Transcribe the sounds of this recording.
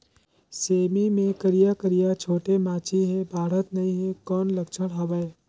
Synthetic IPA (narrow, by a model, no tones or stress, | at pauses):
seːmimẽkəɾijakəɾijat͡ʃʰoːʈemaːt͡ʃiɦebʱaːɾət̪nɐɦĩɦekɔːnlɐkt͡ʃʰəɽɦɐʋae